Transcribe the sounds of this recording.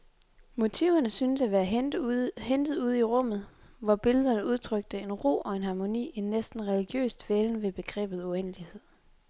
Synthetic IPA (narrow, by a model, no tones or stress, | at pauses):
mo̝t͡sʰiʊɐnəsynəsæʋæːɐ | hend̥ð̩ˠuð̞̰ˠiʁɔ̽m̰ð̩ˠ | ʋɒb̥e̝ləð̞ˠɐnəuð̞ˠt͡sʰʁœɡ̥̚d̥əe̝nʁo̝̰ːʔɒ̽e̝nɦɑ̈mo̝nḭːennːesd̥n̩ʁɛliɡ̥jø̰ːsd̥ʋeln̩ʋe̝b̥e̝ɡ̥ʁɛ̰ːb̥ð̞̩ˠuenəlihe̝ð̰ˠ